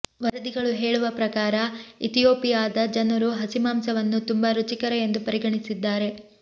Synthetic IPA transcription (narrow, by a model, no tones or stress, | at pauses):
ʋɐɾɐd̪iɡɐɭuɦe̞ːɭuʋɐpɾɐkaːɾɐit̪ijoːpijaːd̪ɐd͡ʒɐnɐɾuɦɐsimaːmsɐʋɐnːut̪umbɐɾut͡ʃikɐɾeend̪upɐɾiɡɐɳisid̪ːaːɾe̞